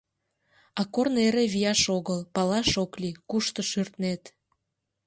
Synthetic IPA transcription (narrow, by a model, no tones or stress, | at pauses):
ɑkorneɾeβijɑʃoɣəlpɑlɑʃoklikuʃt̪ə̆ʃyrt̪net̪